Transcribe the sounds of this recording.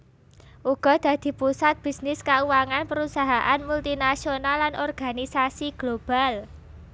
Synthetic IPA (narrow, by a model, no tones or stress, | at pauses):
ʔuɡ̥ɔ̤d̪̥ä̤d̪̥i̤pusat̪̚b̥i̤snɪskauwaŋanpəɾusaɦaʔanmult̪inasionalːanʔɔrɡ̥a̤nisasiɡ̥lob̥a̤l